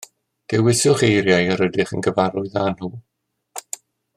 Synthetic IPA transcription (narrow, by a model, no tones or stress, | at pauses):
d̥ɛwɪsjʊχejɾjajaɾədɪχə̰nɡəvaɾʊɨðaːnhuː